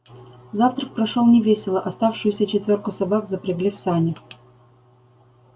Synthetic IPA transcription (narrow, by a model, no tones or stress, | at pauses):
zaft̪ɾək̚pɾɐʂolˠnʲɪvʲesʲɪlˠəʔɐst̪afʂɨjʊsʲət͡ɕɪt̪vʲorkʊsɐbakzəpɾʲɪɡlʲifsanʲɪ